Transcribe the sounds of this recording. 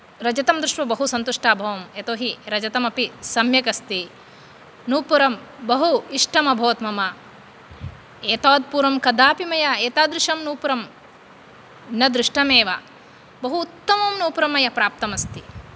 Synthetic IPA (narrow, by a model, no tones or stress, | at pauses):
ɾɐd͡ʒɐt̪ɐmd̪ɾuʂʈʋɐbɐɦusɐnt̪uʂʈaːbʱɐʋɐmet̪oːɦiɾɐd͡ʒɐt̪ɐmɐpisɐmjɐkɐst̪i | nuːpuɾɐmbɐɦuiʂʈɐmɐbʱɐːt̪mɐmɐ | eːt̪aːd̪̚puːɾɐmkɐd̪aːpimɐjɐeːt̪aːd̪ɾɪʂɐmnuːpuɾɐm | nɐd̪ɾiʂʈɐmeːʋɐ̰ | bɐɦuːt̪ːɐmɐmnuːpɾɐmɐjɐpɾaːp̚t̪ɐmɐst̪i